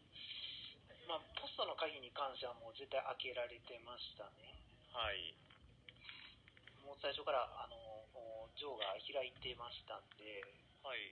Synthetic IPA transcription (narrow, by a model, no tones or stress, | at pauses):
maːpʰo̞sɨ̥t̪o̞no̞kaɡʲiɲ̟ikãɰ̃ɕaβamo̞ːze̞t̪ːaiʔake̞ɾaɾe̞t̪e̞maɕi̥t̪ane̞ | haḭ | mo̞ːsaiɕo̞kaɾaʔano̞d͡ʑo̞ːɡaçiɾait̪e̞maɕi̥t̪ãnd̪e̞ | ha